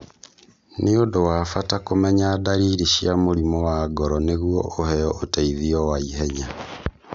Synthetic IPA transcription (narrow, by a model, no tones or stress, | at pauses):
neondowafatakomɛɲaːdaɾiːɾiʃiamoɾimɔwaɡɔɾɔneɣuɔʔohɛjɔʔotɛiðiɔwaiɦɛɲa